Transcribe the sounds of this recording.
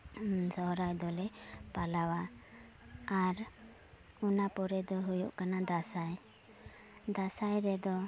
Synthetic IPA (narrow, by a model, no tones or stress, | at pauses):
sɔɦɾajd̪ɔlɛpalawa | aɾ | unapɔɾɛd̪ɔɦujṵʔkanad̪asaj | d̪asajɾɛd̪ɔ